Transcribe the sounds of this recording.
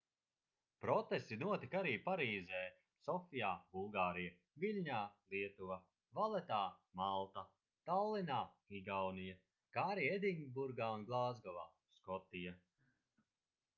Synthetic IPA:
pɾɔt̪est̪inuɔt̪ikaɾiːpaɾiːzɛː | sɔfijaːbulˠɡaːɾija | vilʲɲaːliɛt̪uva | valˠɛt̪aːmalˠt̪a | t̪alˠːinaː | iɡawnija | kaːɾied̪iŋɡbuɾɡaːunɡlˠaːzɡɔvaː | skɔt̪ija

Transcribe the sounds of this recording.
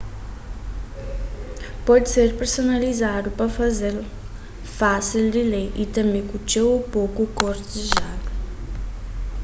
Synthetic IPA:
pɔd̪iseɾpeɾsonalizad̪upɾɐfɐzel | fasild̪ilɛjit̪ɐ̃mẽj̃kut͡ʃewupokukoɾt̪eʒad̪u

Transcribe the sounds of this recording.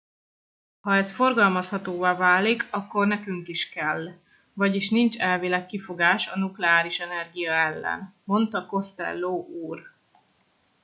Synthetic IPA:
hɒɛsfo̞rɡɒlmɒshɒt̪oːvaːvaːlikʰɒkːo̞rnɛkyŋkiʃkɛlː | vɒɟiʃnint͡ʃɛlvilɛkːifo̞ɡaːʃɒnuklɛaːɾiʃɛnɛrɡijɒɛlːɛ̰nmo̞nt̪ɒko̞st̪ɛ̰lːoːʔuːr

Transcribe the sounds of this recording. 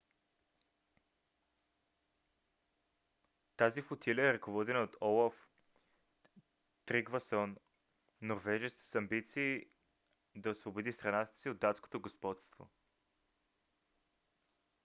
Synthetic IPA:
t̪azifot̪ʰilʲəɛɾɐkovɔd̪ɛnəot̪ɔlˠɐf | t̪ɾiɡvɐsɔnː | oɾvɛʒɛskʲi̥sɐmbit̪siː | d̪ɐsvobod̪ist̪ɾɐnat̪ə̥siod̪ːat̪sko̥t̪oɡospɔt̪st̪vo̰

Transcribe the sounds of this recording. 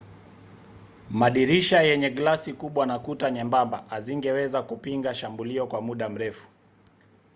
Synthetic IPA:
maɗiɾiʃajɛɲɛɡlasikuɓwanakutaɲɛmbamba̰ʔaziŋɡɛwɛzakupiŋɡaʃambuliɔkwamuɗam̩ɾɛfu̥

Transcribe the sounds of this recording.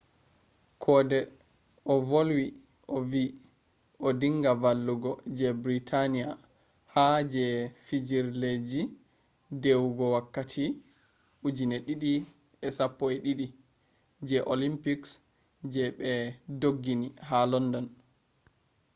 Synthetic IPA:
kʰɔdɛ | ʔɔvolwi | ʔɔvi | ʔɔdiŋɡavalːuɡɔd͡ʒɛbɾitʰanija | had͡ʒɛfid͡ʒiɾled͡ʒi | dewuɡɔwakːatʰi | ʔud͡ʒinɛɗiɗi | ɛsapːɔɛɗiɗi | d͡ʒɛʔolimpiks | d͡ʒɛɓɛdoɡːinihalɔndɔn

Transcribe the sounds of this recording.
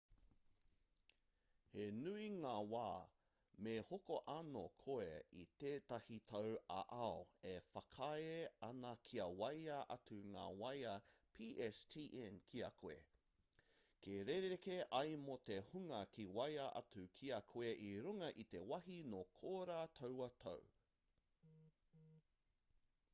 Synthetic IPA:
henuiŋaːwaː | mehokoʔɐno̰kʰoeḭt̪eːt̪ɐhit̪ʰɐwɐ̰ʔaoefɐkʰaeɐnɐkʰiɐwɐjɐʔɐtuŋa̰ːwɐjɐpʰiʔɛstʰiːʔɛnkʰiɐkʰoḛ | keɾeɾeɾekeʔɐjmot̪ehuŋɐkʰiwɐjɐʔɐ̰tʉkʰiɐkʰoeʔiɾuŋɐʔit̪ewɐɦinokʰoːɾat̪ʰɐwɐt̪ʰɐ̰w

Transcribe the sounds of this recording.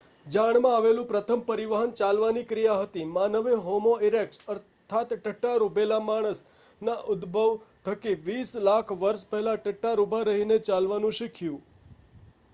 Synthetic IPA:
d͡ʒaɳmãaʋelũpɾət̪ʰəmpəɾiʋaɦənt͡ʃalʋanikɾijaɦət̪imanəʋeɦomoiɾek̚ʈəɾ | t̪ʰat̪ʈəʈːaɾubelamaɽ̃əsnaʔʊd̪bʱəʋt̪ʰəkiʋislakʰʋəɾʃpɛɦɛlaʈəʈːaɾubʱaɾəɦinet͡ʃalʋanũʃɪkʰjũ

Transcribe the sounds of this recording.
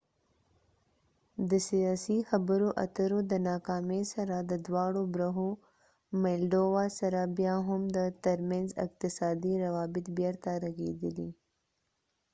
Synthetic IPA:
d̪əsijaːsixɐbəɾoʔɐ̰t̪əɾod̪ənaːkaːmesɐɾad̪əd̪waːɽobɾɐɦo | meːlɖoːʋaːsɐɾabjaːɦʊmd̪ət̪ɐɾmẽnzɪ̰q̚t̪ɪsaːd̪iɾɐʋaːbɪt̪bjɐɾt̪aɾɐɡḛːd̪ili

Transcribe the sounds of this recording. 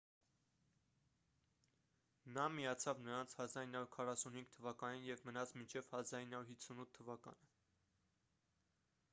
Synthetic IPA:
nɑmijɑt͡sʰɑvnəɾɑnt͡sʰhɑzɑɾinɑuɾkʰɑrɑsunhiŋɡ̚t̪ʰːəvɑkɑninjɛvmənɑt͡sʰmint͡ʃʰɛv̥hɑzɑɾinɑuɾhit͡sʰunut̪ʰːəvɑkɑ̰nə

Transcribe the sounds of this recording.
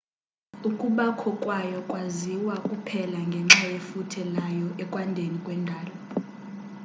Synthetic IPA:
ukʼuɓakʰɔkʼwajɔkʼwaziwakʼupʰɛlaŋɡʱɛŋ͡ǁajefutʰɛlajɔʔɛkʼwandʱenikʼwɛndʱaːlɔ

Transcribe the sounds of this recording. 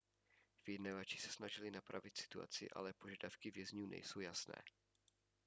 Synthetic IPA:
vjɛdnavat͡ʃɪ̥sɛ̥snaʒɪlɪnapɾa̰vɪt̪sɪ̥t̪ua̰t͡sɪ̰ʔa̰lɛpoʒadafkɪvjɛzɲuːnɛ̰jso̞wjasnɛ̰ː

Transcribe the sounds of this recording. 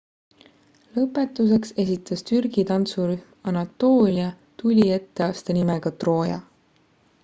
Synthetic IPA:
lɤpːˑe̞t̪ːˑus̬e̞kse̞sit̪ʰːˑɑst̪yrɡ̥it̪ɑnt̪suɾyhmɑnɑt̪ːo̞ːlʲiɑ | t̪ulʲie̞t̪ːe̞ɑːst̪ɑnimeɡ̥ɑt̪ro̞ːjɑ̰

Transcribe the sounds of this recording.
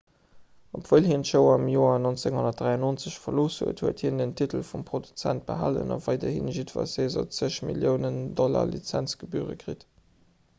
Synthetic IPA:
opvəːlhiəntʃəʊɐɑmjoːɐnont͡seŋhonɐt̚d̥ʁaɪɑnoːnt͡səɕfɐloːshṵətʰhuəthiəndəntʰitəlfumpʁ̥odut͡sænt̚b̥əɦalə̰nɑvɑɪdɐhinʒitva̰ːseːzɐ̰t͡səɕmiljəʊnəndɔla̰lḭt͡sænt͡sɡ̥əbyːʁə̰kʁit

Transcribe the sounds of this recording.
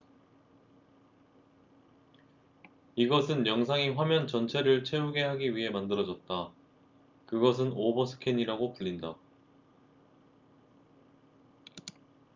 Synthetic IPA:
iɡʌsʰɯnjʌŋsʰaŋiɸwamjʌnt͡ɕʌnt͡ɕʰe̞ɾɯɭt͡ɕʰe̞uɡe̞haɡiɥiɦe̞mandɯɾʌd͡ʑʌt̚t͈a | kɯɡʌs̬ʰɯnobʌsʰɯ̥kʰeɲiɾaɡopuʎːinda

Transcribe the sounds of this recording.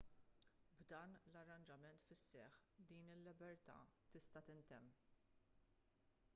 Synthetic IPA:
bd̪ɐːnlɐrːɐnd͡ʒɐmɛnt̪fɪsːɛ̰ħd̪iːnɪlːɪbɛɾt̪ɐ̰ːt̪ɪst̪ɐt̪ɪnt̪ɛmː

